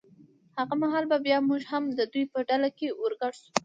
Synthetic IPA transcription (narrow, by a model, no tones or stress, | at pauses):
haɣamaɦɑlbabjɑmuʒhamd̪əd̪ujpəɖalakewəɾɡaɽʃu̥